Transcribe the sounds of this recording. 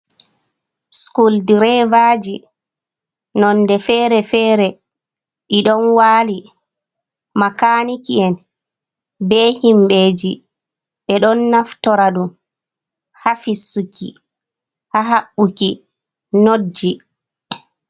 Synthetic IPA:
skuldiɾɛvaːd͡ʒi | nɔnːdɛfɛːɾɛfɛːɾɛ | ɓiɗɔnwaːli | makanikiɛn | bɛhimbeːd͡ʒi | ɓɛɗɔnːaftɔɾaɗum | hafisukḭ | haɦaɓːuki | nod͡ʒːi

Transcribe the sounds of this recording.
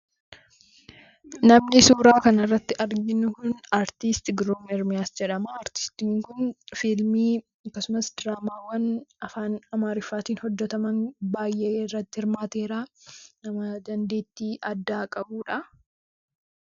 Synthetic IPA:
nɐmnɪsuːɾaːkɐnɐrːɐt̪ːɪʔɐɾɡɪnːʊkʊnaːɾt̪ist̪ɪɡɾoːmɪɾmɪjaːsd͡ʒɛᶑɐmɐːɾt̪ɪ̥st̪iːŋkʊnfɪlmiː | ɐkːɐsʊmɐsd̪ɾaːmaːwɐnɐfaːnɐmaːɾɪfːaːt̪iːnhɔd͡ʒːɛt̪ɐmɐnbaːjʔeːɪrːɐt̪ːɪhɪɾmaːt̪e̞ːɾaːnɐmɐd̪ɐnd̪e̞ːt̪ːiːʔɐd̪ːaːkʼɐbuːᶑɐ

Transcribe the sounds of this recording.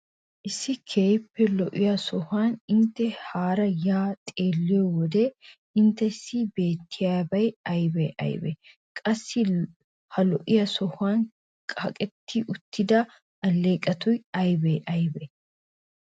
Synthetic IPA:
ʔɪsːɪkʰeːjpːɛlɔʔɪjɐsɔhaːnɪnt̪ːɛhaːɾɐjaːt̪ʼe̞ːlːɪjɔwɔd̪ɛ | ɪnt̪ːɛsːɪbe̞ːt̪ʰːɪjaːbɐjɐjbɛ̰ʔɐ̰jbɛ̰ | kʼɐsːɪ | hɐlɔʔɪjɐsɔhaːn | kʼɐkʼɛt̪ʰːɪʔʊt̪ʰːɪd̪ɐ | ɐlːe̞ːkʼːɐt̪ʊjɐjbɛʔɐjbɛ

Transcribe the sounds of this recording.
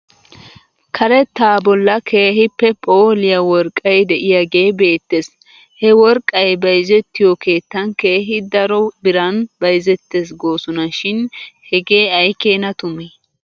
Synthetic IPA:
kʰɐɾɛt̪ːaːbɔlːɐkʰeːɦɪpːɛpʼoːlɪjɐwɔɾkʼːɐjd̪ɛʔɪjɐɡe̞ːbe̞ːt̪ːeːs | hɛwɔɾkʼːɐjbɐjzɛt̪ːɪjɔke̞ːt̪ːɐnke̞ːɦɪd̪ɐɾɔbɪɾɐnbɐjzɛt̪ːeːs̬ɡoːsʊnɐʃɪnhɛɡe̞ːɐjke̞ːnɐt̪ʊmɛ

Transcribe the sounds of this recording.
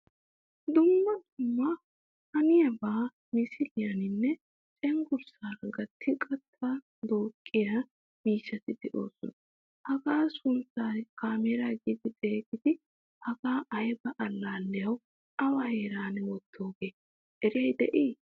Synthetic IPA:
d̪ʊmːɐd̪ʊmːɐ | hɐnɪjɐbaː | mɪsɪlɪjɐnɪnːɛ | t͡ʃʼɛŋɡʊɾsaːɾɐɡɐt̪ʰːɪkʼɐt̪ʰːa | d̪o̞ːkʼːɪja | miːʃːɐt̪ɪd̪ɛʔo̞ːsɔnɐ | hɐɡaːsʊnt͡saːkaːmeɾaɡid̪ɪt̪ʼe̞ːkɪd̪ɪ | hɐɡaːʔɐjbɐʔɐlːaːlːɛjɐw | ɐwɐhe̞ːɾaːnɛwɔt̪ʰːo̞ːɡe̞ː | ʔɛɾɪɛjd̪ɛ̰ʔiː

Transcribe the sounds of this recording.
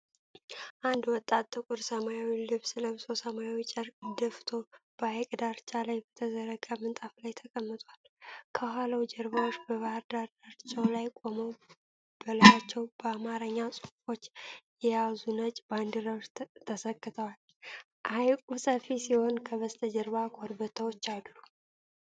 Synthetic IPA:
ʔand̪wɔt̪ʼːat̪ʼt̪ʼːɨkʼʊɾsəmajawilɨβsɨləmsosəmajawit͡ʃʼəɾd̪əft̪ʰo̞b̥əajkʼd̪aɾt͡ʃʼalajbət̪ʰəzəɾəkʼamɨnt̪ʼaflajt̪ʰəkʼəmːɨt̪ʼwal | kʰəɦaləwd͡ʒɛɾβawot͡ʃːbəβaɾd̪aɾd̪aɾt͡ʃʼawlajkʼo̞məw | b̥əlajat͡ʃːɛwbəamaɾəɲːasʼufo̞t͡ʃːjɛjazunət͡ʃʼband̪ɨɾəwʃt̪ʰəsəkʼːɨt̪ʰəwal | ʔajkʼusʼəfisiho̞nkʰəβəst̪ʰʼəd͡ʒɛɾβakʰʼoɾbət̪ʰəwot͡ʃːalːu

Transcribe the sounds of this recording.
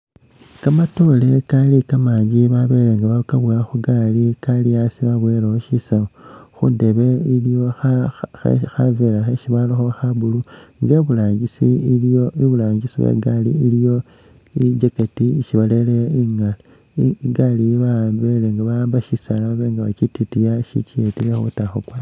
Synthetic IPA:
kamato̞le̞kalikamaːɲɟiβaβe̞leŋɡaβakaβwaxuɡalikaliasiβaβweɾooʃisaoxṵnde̞βe̞iloa̰ | xaveɾaxeʃiβaloxoxabuluŋɡeβulaːɲɡisioiβulaːɲɟisiwḛɡalḭːlijo̞ | id͡ʒeketiiʃiβaleleiŋala | iɡaliβambeleŋɡaβaaːmbaʃisalaβaβeːŋɡaβat͡ʃititijaʃḭt͡ʃietilexṵtaxukwa

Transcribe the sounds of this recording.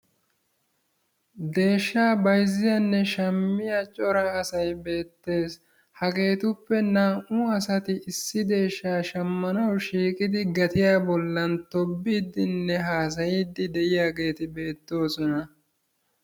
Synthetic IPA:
d̪e̞ːʃːaːbɐjzɪjanːɛʃɐmːɪjat͡ʃʼɔɾɐːsɐjbe̞ːt̪ːe̞ːs | hɐɡe̞ːt̪ʊpːɛnaːʔʊɐsɐt̪ɪʔɪsːɪd̪e̞ːʃːaːʃɐmːɐnɐwʃiːkʼɪd̪ɪɡɐt̪ɪjaːbɔlːɐnt̪ɔbːiːd̪ɪnːɛɦaːs̬ɐjiːd̪ːɪd̪ɛʔɪjaːɡe̞ːt̪ɪbe̞ːt̪ːo̞ːsɔnɐ

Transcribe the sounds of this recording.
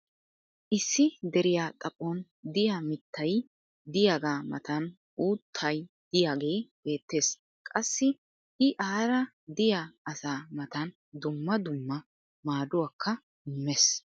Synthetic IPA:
ʔɪsːɪd̪ɛɾɪjaːt̪ʼɐpʼːɔn | d̪ɪjaːmɪt̪ʰːɐj | d̪ɪjaːɡaːmɐ̰t̪ɐn | ʔuːt̪ʰːɐj | d̪̥ɪjaːɡe̞ːb̥e̞ːt̪ːe̞ːs | kʼɐsːɪ | ʔɪʔaːɾɐ | d̪ɪjaɐsaːmɐt̪ɐn | d̪ʊmːɐd̪ʊmːɐ | maːd̪ʊwakʰːɐ | ɪmːɛs

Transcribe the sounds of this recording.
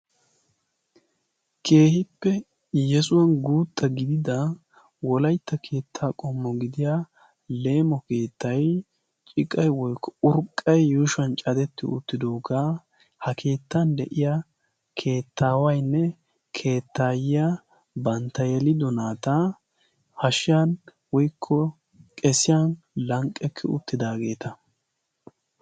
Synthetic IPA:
kʰe̞ːhɪpːɛ | jɛsʊwɐnɡuːt̪ʰːɐɡɪd̪ɪd̪ɐ | wɔlɐjt̪ːɐkʰe̞ːt̪ʰːaːkʼɔmːɔɡɪd̪ɪja | le̞ːmɔke̞ːt̪ːɐj | t͡ʃʼɪkʼːɐjwɔjkːɔʊɾkʼːɐjːuːʃɐnt͡ʃʼɐd̪ɛt̪ːɪʊ̰t̪ːɪd̪oːɡa | hɐkʰe̞ːt̪ːɐnd̪ɛʔɪja | kʰe̞ːt̪ʰːaːwɐjnːɛ | kʰe̞ːt̪ʰːaːjɪjɐ | bɐnt̪ːɐjɛlɪd̪ɔnaːt̪ɐ | hɐʃɪjan | wɔjkʰːɔ | kʼɛsɪjɐn | lɐŋkʼːɛkʰːɛʊ̰t̪ːɪd̪aːɡe̞ːt̪ɐ

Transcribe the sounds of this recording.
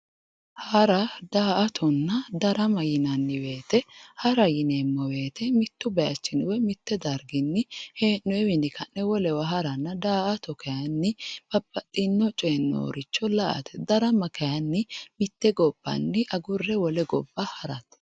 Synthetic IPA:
hɐɾɐd̪aːɐt̪ʰɔnːɐd̪ɐɾɐmɐjɪnɐnːɪbe̞ːt̪ɛhɐɾɐjɪnemːɔwe̞ːt̪ɛmɪt̪ːʊbɐjɐt͡ʃːɪnwɛmɪt̪ːɛd̪ɐɾɡɪnːɪheːnːɔɛwɪnɪkʰɐnːɛwɔlɛwɐɦɐɾɐnːɐd̪aːʔɐt̪ɔkʰɐjɐnːɪb̥ɐbːɐtʼːɪnːɔt͡ʃʼeːnːo̰ːɾɪt͡ʃːɔlɐʔɐ̰t̪ɛd̪ɐɾɐmɐkʰɐjɐnːɪmɪt̪ːɛɡɔb̥ːɐ̰nːɪʔɐɡʊrːɛwɔlɛɡɔbːɐhɐɾɐt̪

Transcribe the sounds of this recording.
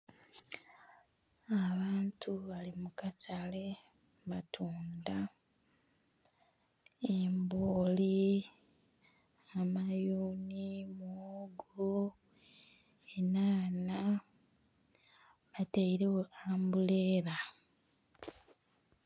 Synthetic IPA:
aβaːntʰuβalimukatale̞ | βatʰuːnda | emboːli | amajuːnimuɡul | enaːna | βataiɾeweaːmbule̞ːɾa

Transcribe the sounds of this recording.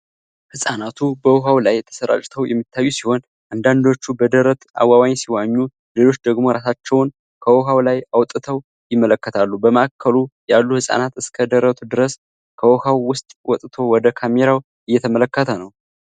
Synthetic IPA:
hɨsʼanat̪ʰubəwoɦawlajt̪ʰə̥səɾa̰t͡ʃʼt̪ʰəwjɛmːit̪ːajːusiho̞n | ʔand̪and̪o̞t͡ʃːubəd̪əɾət̪ʔa̰wawaɲsiwaɲːu | lelo̞t͡ʃːd̪əɡmo̞ɾasat͡ʃːɛwn | kʰəwɔɦawlajawt̪ʼɨt̪ʰəw | jɪmːələkːət̪ʰalːubəməʔakʰːəlujalːuhɨsʼa̰nat̪ɨskʰəd̪əɾət̪ʰud̪ɨɾəs | kʰəwɔhawwʊst̪ʼwɔt̪ʼt̪ʰo̞wɔd̪əkʰameɾaw | ɨjːɛt̪ʰəmələkːət̪ʰənəw

